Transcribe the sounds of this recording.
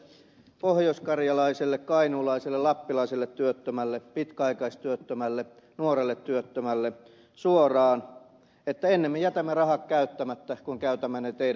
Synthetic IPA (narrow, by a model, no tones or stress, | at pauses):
pohjoskɑrjɑlɑiselːekkɑinuːlɑiselːelɑpːilɑisilːet̪t̪yøt̪ːømælːepit̪kæɑikɑist̪yøt̪ːømælːe | nuorelːet̪tyøt̪ːømælːe | suorɑːn | et̪ːæenːemːejæt̪æmːerɑhɑkkæyt̪ːæmæt̪ːækuŋkæyt̪æmːænet̪eiæ